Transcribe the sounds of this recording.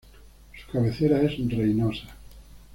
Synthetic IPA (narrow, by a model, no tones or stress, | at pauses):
su̥kaβeθeɾaesrejnosa